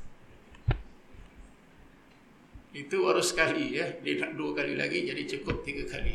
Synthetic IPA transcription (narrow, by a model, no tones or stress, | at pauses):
it̪uwaɾʊsə̥kalijəhdilaʔ̚duakalḭla̰ɡid͡ʒadit͡ʃukʊp̚t̪iɡakalḭ